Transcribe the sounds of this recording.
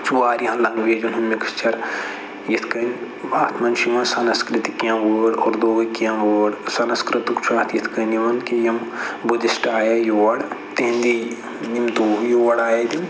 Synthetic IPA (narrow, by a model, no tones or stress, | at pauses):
t͡ʃuaːɾjãːlɐŋɡʋeːd͡ʒunɦɐmːikɐ̥st͡ʃɐɾ | jɐt̪ʰkɐn | aːt̪ʰmɐnʃiʋɐnsɐnɐskɾit̪ikijãːʋoɽɔːɾd̪oːɡɐkjãːʋoːɽsɐnɐskɾɨt̪ukt͡ʃʰaːt̪ʰjɐt̪ʰkɐniʋɐnkijɐmbud̪isʈaːjɐjoːʋɐɽt̪ẽɦnd̪i | nimt̪uːjoːɐɽaːjɐd̪im